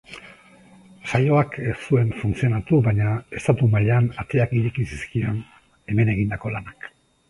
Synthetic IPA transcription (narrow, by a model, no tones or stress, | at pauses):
ʃajo̞akessue̞ɱfunt͡sio̞nat̪uβaɲae̞st̪at̪umaʎanat̪e̞akiɾikisi̥skio̞n | e̞me̞ne̞ɣind̪ako̞lanak